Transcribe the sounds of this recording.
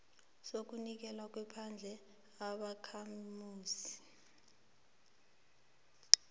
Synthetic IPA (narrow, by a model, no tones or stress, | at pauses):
sok̬unik̬ɛlwak̬wɛpʰand͡ɮʱɛ | aɓakʰammuːsi̥